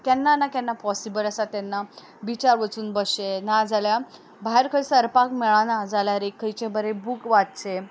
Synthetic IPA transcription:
kɛnːanakɛnːapɔsibələsat̪anːa | bit͡ɕaɾʋət͡suːnbəɕenad͡zalja | baɦeɾkʰəɭsəɾpakmɛɭanad͡zaljaɾekʰːəjt͡ɕẽbəɾebukʋatt͡ɕe

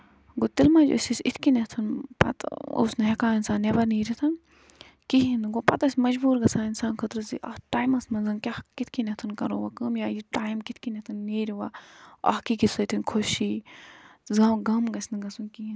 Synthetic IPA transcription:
ɡot̪ilmad͡ʒo̰sʲisʲit̪ʰkinɐt̪ʰɐnpɐ̰t̪o̰snɐɦekaːinsaːnːeʋɐniːɾʲit̪ʰɐn | kiɦinɨɡopɐt̪ɐsʲmɐd͡ʒbuːɾɡɐsaːinsaːnkʰɐt̪ɾɨziʔɐ̰ʈaːjmɐsmɐnzɐnkʲahkit̪ʰkinɐt̪ʰɨnkɐɾoʋakɐmjaːjiʈaːjmkit̪ʰkinet̪ʰɐnːiːɾʲiʋaːɐ̰hkikit̪ʰsɐt̪ʰinkʰoʃiː | zaɡɐmɡɐsʲnɐɡɐsunkiĩ

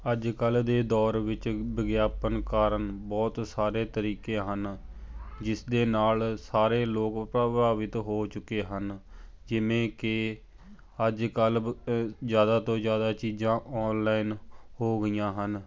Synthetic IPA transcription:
əd͡ʒkəld̪eːd̪ɔːɾʋɪt͡ʃbəɡjaːpənkaːɾənbɔːt̪saːɾeːt̪əɾiːkeːɦən | d͡ʒɪsd̪eːnaːlsaːɾeːloːkpɾəbaːʋɪt̪ɦoːt͡ʃʊkːeːɦən | d͡ʒɪʋẽːkɪ | əd͡ʒkəl | zjaːd̪aːt̪õːzjaːd̪aːt͡ʃiːd͡ʒãːʔɔːnlaːinhoːɡəijãːɦən

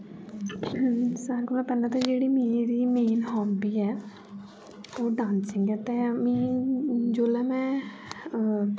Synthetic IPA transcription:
saːɾkolmɛ̃pɛːlãːt̪ãːd͡ʒeːɽiːmeːɾiːmeːnɦɔːbiːɛː | oːɖãːnsɪŋɡɛːt̪emĩː | d͡ʒoːlɛːmɛ̃ː

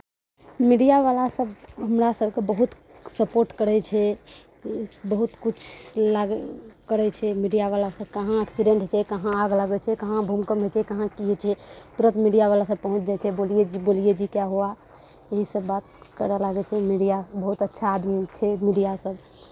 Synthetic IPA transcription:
miɖijaʋalasəbɦəmɾasəb̚ʱkebəɦut̪ | səpoɾʈkəɾɛt͡ʃʰɛ | bəɦut̪kut͡ʃʰlaɡkəɾɛt͡ʃʰɛmiɖijaʋalasəb̚kəɦãɛksiɖẽɳʈɦt͡ʃʰɛkəɦãaɡlaɡɛt͡ʃʰɛkəɦãbʱumkəmɦet͡ʃʰɛkəɦãkiɦɛt͡ʃʰɛt̪uɾət̪miɖijaʋalasəb̚pəɦũt͡ʃd͡ʒajt͡ʃʰɛbolied͡ʒbolied͡ʒikjaɦoa | eɦisəbːat̪̚kəɾɛlaɡɛt͡ʃʰɛmiɖijabəɦut̪ətːʃʰaːd̪mit͡ʃʰɛmiɖijasəb

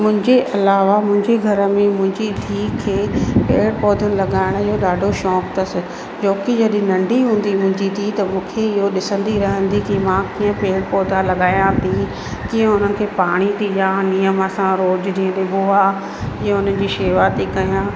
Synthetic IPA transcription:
mʊ̃ɦɪ̃ɲd͡ʑeʔɐlaːʋamʊ̃ɦɪ̃ɲd͡ʑeɡʱɐɾəmẽmʊ̃ɦɪ̃ɲd͡ʑit̪ʰiːkʰeːpeːɽpɔːd̪ʱənɪ̆lɐɠaːɪɽ̃ɪɦoɗaːɖʱoʃɔːkt̪ɐsɪ | d͡ʑoːkid͡ʑɐɗɪ̃nɐ̃ɳɖʱiɦũːn̆d̪imʊ̃ɦɪ̃ɲd͡ʑit̪ʰit̪ɐmũːkʰeɪɦoɗɪsə̃nd̪iɾɐɦə̃nd̪ikimãkiːə̃peːɽpɔːd̪ʱalɐɠaːjãt̪ʰi | kiːə̃ʊn̤ənɪ̆kʰeːpaːɽ̃it̪ʰijãnijəməsãɾoːd͡ʑɾĩːə̃ɗɪboaː | ɪːə̃ʊn̤ənɪ̆d͡ʑiːʃeːʋat̪ekɐjãː

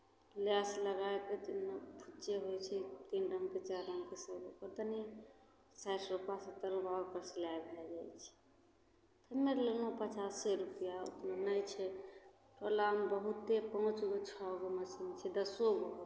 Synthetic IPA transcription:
lasləɡaeket̪inmepʰut͡ʃeɦojt͡ʃʰɛt̪inɾəmket͡ʃaɾɾəmkesəbokəɾt̪əni | sasɾupasət̪ːəɾbakəɾslaebʱɛld͡ʒajt͡ʃʰɛ̥ | t̪əmelelopət͡ʃasːəɾupjao̰t̪nanəjt͡ʃʰɛ | ʈolambəɦut̪ːepəɦũt͡ʃɡot͡ʃʰɔɡoməsint͡ʃʰɛd̪əsoɡo

